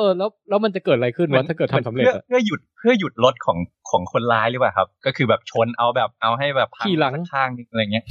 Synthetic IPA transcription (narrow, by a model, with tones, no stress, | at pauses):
ʔɤː˧lɛː˦˥wlɛː˦˥wma˧nt͡ɕa˨˩kɤː˨˩t̪̚a˧a˧jkʰɯ˥˩nwɛ˧˦˥a˥˩kɤː˨˩t̪ʰːmsa˩˦mle˨˩˥ɐa˩pʰɯ˥˩ɐju˨˩t̪̚pʰɯ˥˩ɐju˨˩t̪̚lo˦˥t̪̚kʰɔː˩˦ŋkʰɔː˩˦ŋkʰo˧nlaː˦˥jlɯ˦˥pwaː˨˩kʰa˦˥p̚kɔː˥˩kʰɯː˧bɛː˨˩p̚t͡ɕʰo˧nʔa˧wbɛː˨˩p̚ʔa˧wɦa˥˩jbɛː˨˩p̚ʰːakːiː˨˩la˩˦˧ŋt͡ɕʰaː˥˩ŋ˧a˧ja˨˩ŋi˦˥ɐ